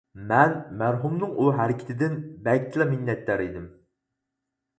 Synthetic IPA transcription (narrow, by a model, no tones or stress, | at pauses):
mɛnmæɾɦumnɨŋuɦæɾɪkʲʰɪ̥t̪ʰɪd̪ɪnbɛlʲʰilˠɛminːɛt̪ːæɾid̪ɪm